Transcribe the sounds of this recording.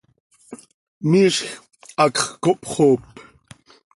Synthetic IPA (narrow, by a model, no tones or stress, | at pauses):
miːʃx | ɑkχkoʔpχoːp